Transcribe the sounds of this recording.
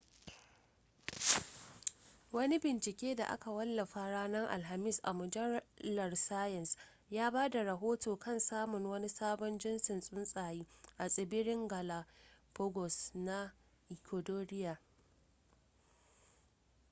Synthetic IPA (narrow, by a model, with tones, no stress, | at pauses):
wɐ˦ni˦bɪ˨nt͡ʃɪ˨kʲeː˦da̰˨ʔa̰˦ka˨wɐ˦lːɐ˨ɸa˨ɽaː˦nɐ˦ŋʔa̰˨lɦa˨mɪ˦˨sʔa̰˨mʊ˨d͡ʒɐ˦lɐ˨rsaː˦jɪ˨ns | jaː˦baː˦da˨ɾɐ˨ɦoː˦toː˨kɐ˦˨nsaː˦mʊ˨ŋwɐ˦ni˦saː˦bɔ˦nd͡ʒɪ˦nsɪ˨nsʼʊ˦nsʼaː˨jiː˦ʔa˨sʼɪ˨bɪ˦ɽɪ˦ŋɡa˨la˨pɔ˦ɡɔ˨sna˦ | ʔɪ˨kʲʰo˨doː˦ɾɪ˦ja˨